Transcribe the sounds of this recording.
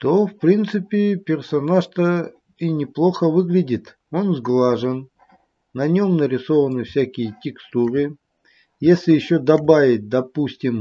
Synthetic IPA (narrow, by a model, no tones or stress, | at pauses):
t̪ofpɾʲint̪sɨpʲɪpʲɪrsɐnaʂt̪ə | inʲɪplˠo̞xəvɨɡlʲɪdʲɪt̪ | o̞nzɡlˠaʐɨn | nɐnʲo̞mnəɾʲɪso̞vənɨfsʲækʲɪjətʲɪkst̪uɾɨ | jesʲlʲɪjɪɕːod̪ɐbavʲɪt̚ʲd̪ɐpusʲtʲɪm